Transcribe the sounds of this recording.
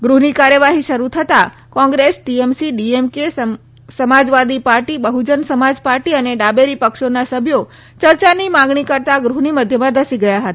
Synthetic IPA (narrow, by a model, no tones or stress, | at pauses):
ɡɾuɦnikaɾjəʋaɦiʃəɾut̪ʰət̪a | kɔ̃ŋɡɾesʈiemsiɖiemke | səmad͡ʒʋad̪ipaɾʈibəɦud͡ʒənsəmad͡ʒpaɾʈiəneɖabeɾipəkʃonasəbʱjo | t͡ʃəɾt͡ʃanimãɡɳikəɾt̪aɡɾuɦniməd̪ʱjəmãd̪əsiɡəjaɦət̪a